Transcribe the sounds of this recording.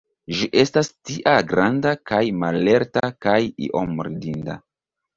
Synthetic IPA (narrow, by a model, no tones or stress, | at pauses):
ʒiʔe̞stastiʔaɡɾandakajmale̞ɾtakajḭʔomɾidinda̰